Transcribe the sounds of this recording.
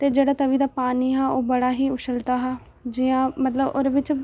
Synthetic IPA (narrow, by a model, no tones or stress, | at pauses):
t̪eːd͡ʒeːɽaːt̪əʋiːd̪aːpaːniːɦaːoːbəɽaːɦiːʊʃʰəlt̪aːɦaː | d͡ʒijãːmət̪ləbo̰ːd̪eːʋɪt͡ʃ